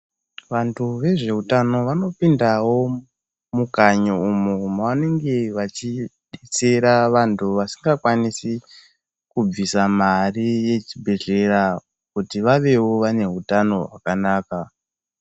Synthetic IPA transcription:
ʋantʰuʋe̞ʐe̞utano̞ʋano̞pindawo̞ | mukaɲoumuumawane̞ŋɡe̞ʋat͡ʃiɗet͡se̞ɾaʋantʰuʋasiŋɡakwanisi | kub͡visamarije̞t͡ʃibʱe̞ɮe̞ra | kutiʋaʋe̞wo̞ʋane̞ɦutano̞ɦwa̰kanaːka

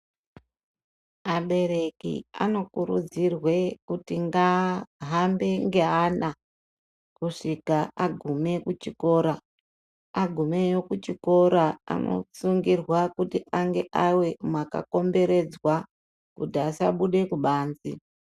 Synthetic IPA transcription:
aɓe̞ɾe̞kḭa̰no̞kuɾṵd͡zirwe̞kutiŋɡaɦambe̞ŋɡe̞ana | kuʂikaaɡʱume̞kut͡ʃiko̞ɾa | aɡʱume̞jo̞kut͡ʃiko̞ɾaa̰nʔo̞̰suŋɡirwakutiʔaŋɡe̞ʔawe̞mwaka̰ko̞mbe̞ɾe̞d͡zwa | kudaːsa̰ɓuɗe̞kuɓaːnzḭ

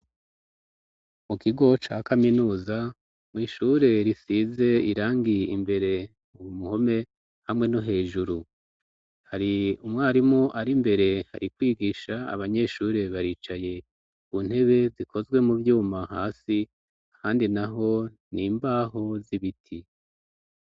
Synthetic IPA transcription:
mukiɡo̞t͡ʃaːkaminuːza | mwiːʃuːɾe̞ɾisize̞iɾaːŋɡijimbe̞ɾe̞ | uwumuho̞me̞ | hamŋe̞no̞ɦe̞ːʒuɾu | haɾiumŋaːɾimoʔaɾimbe̞ɾe̞ha̰ɾikwiːɡiʃaa̰βaɲe̞ʃuːɾe̞βaɾiːt͡ʃaje̞ | βun̥he̞βe̞zikʰo̞zɡwe̞muvjuːmahaːsi | ahaːndinaɦo̞ | niːmbaːɦo̞ziβitʰi

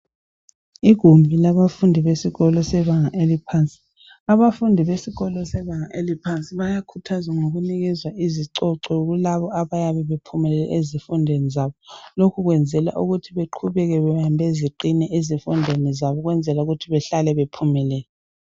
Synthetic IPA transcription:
iɡ̥ʱumbʱilaβafundʱiβesiɣɔlɔsɛβaŋaʔelipʰant͡sʼi̥ | aβafundʱiβesiɣɔlɔsɛβaŋaʔelipʰant͡sʼiβajakʰutʰazaŋoɣuniɣɛzwaʔiziǀɔǀɔɣulaβɔaβajaβɛβepʰumɛlɛlɛ̰ʔezifundʱenizaβɔlokʰuɣwɛnd͡zʱɛla̰ʔuɣutʰiβeǃʰuβɛɣɛβɛambʱeziǃinɛʔezifundʱenizaβɔɣwɛnd͡zʱɛlauɣutʰiβɛɬalɛβepʰumɛlɛːlɛ

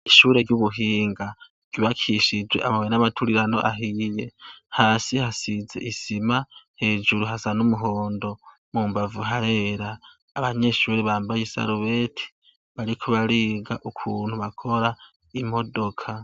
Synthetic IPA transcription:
iʃuːɾe̞ɾɟuβuɦiːŋɡa | ɟ̥uβakʰiʃid͡ʒwe̞̰ʔamawenamatʰuɾiɾano̞ʔaɦije̞haːsihasize̞̰ʔisimahe̞ːd͡ʒuɾuɦazanumuɦo̞ːndo̞ | mumbavuɦaɾe̞ɾaː | βaɲe̞ʃuːɾeβaːmbajesa̰ɾuβe̞tʰi̥ | βaɾikʰuβaɾiːɡaʔukʰuːn̥huβakʰo̞ɾa | imo̞do̞kʰa

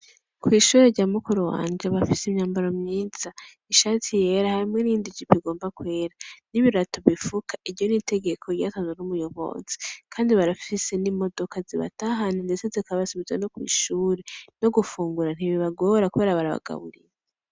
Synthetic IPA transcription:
kwiːʃuːɾe̞ɾɟaːmukuɾowa̰ːnd͡ʒeβafisimɲaːmbaɾomɲiːnz̥a | iʃaːtʰije̞ɾahaɾimŋeniːndiɟipiɡo̞ːmbakwe̞ːɾaniβiɾatoβifukʰḁʔiɾjo̞nitʰe̞ɡe̞kʰo̞ɾja̰ːtazenumujo̞βo̞̰z̥e̥kʰaːndiβaɾafifise̞nimo̞do̞kʰaziβa̰taɦaninde̞t͡se̞zikaββasiβizweno̞kwḭːʃuːɾeno̞ɡufuːŋɡuɾan̥iβiβaɡoɾakuβe̞ːɾaβaɾaβa̰ɡ̥a̰βṵɾḭje

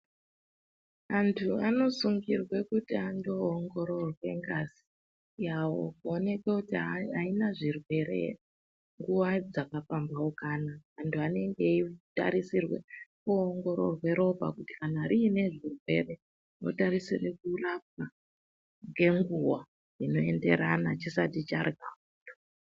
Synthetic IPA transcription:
antʰuano̞suŋɡirwe̞kutiandoːŋɡo̞ɾo̞rwe̞̰ŋɡaz̥i | jawo̰kuone̞kekutiaainaʐirwe̞ɾe̞̰ | ŋɡuwad͡zakapambaokaːnaʋantʰuane̞ŋɡe̞ita̰ɾisirwḛkuoŋɡo̞ɾo̰rwe̞ɾo̞bʱa̰kuti̥kanaɾiːne̞ʐirwe̞̰re̞ | no̞̰taɾisirekulap̚a | ŋɡe̞ŋɡuwa | ino̞e̞nde̞̰ɾanat͡ʃisatit͡ʃarɡauto

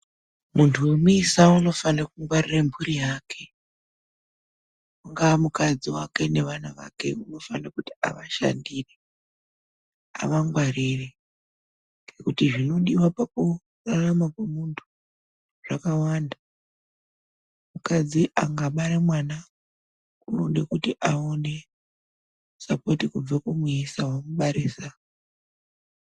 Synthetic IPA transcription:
muntʰuwemuisauno̞fanakuŋɡwariremburijaːkʰe̞ | uŋɡaːmukad͡ziwake̞ne̞ʋanaʋa̰ke̞̰uno̞fanakuti̥a̰ʋaʃa̰ndiːre | a̰ʋaŋɡwarire | ŋŋɡekutiʐino̞ɗiwapaku | raramakwamuntʰu̥ | ʐ̥akawaːnda | mukad͡ziʔaŋɡaɓaɾemwana | kunoɗekutiʔaone̞ | sapo̞tikub͡vekumisawamuɓaɾiːsa

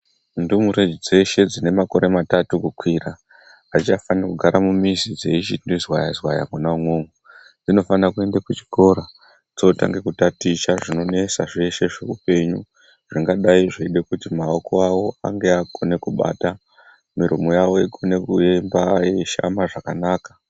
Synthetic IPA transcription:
ndumuɾe̞d͡ʒid͡ze̞ʃe̞d͡zine̞mako̞ɾe̞matatukukwiɾa | at͡ʃafanakuɡʱaɾamumizid͡ze̞it͡ʃindizwajazwaja̰munauŋwoŋɡu | d͡zino̞fanakue̞ndakut͡ʃi̥ko̞ɾa | d͡zota̰ŋɡe̞kutatit͡ʃaʐino̞ne̞saʐe̞ʃe̞ʐe̞upe̞ɲu | ʐ̥iŋɡaɗaiʐiɗekutimaoko̞awo̞a̰ŋɡe̞akʰo̞ne̞kuɓa̰ːta | miɾumojawo̞ikʰo̞ne̞kuembaeʃa̰maʐakanaːkḁ

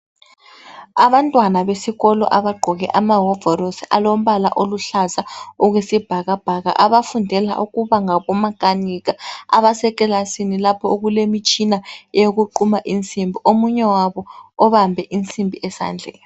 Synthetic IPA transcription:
aβantʼwanaβesiɣɔlɔ̰ʔaβaɡ͡ǃʱɔɣɛ̰ʔamaɦɔvɔɾosialom̩βala̰ʔoluɬazauɣwesib̥ʱaɣab̥ʱaɣa̰ʔaβafundʱɛla̰ʔuɣuβaŋaβɔmakʼaniɣaa̰βasɛkʼɛlasinilapʰɔɣulemit͡ʃʼinaɛjoɣuǃumaʔint͡sʼimbʱiʔomuɲɛwaβɔɔβambʱɛʔint͡sʼimbʱiʔɛsa̰nd͡ɮʱɛ̰

